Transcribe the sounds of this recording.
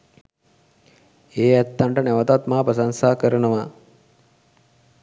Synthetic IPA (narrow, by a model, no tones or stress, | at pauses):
eːɛt̪ːaɳʈəneʋət̪at̪maːpəs̬aŋsaːkəɾənəʋa